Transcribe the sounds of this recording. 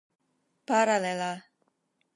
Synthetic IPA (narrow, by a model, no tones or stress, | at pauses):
paɾalela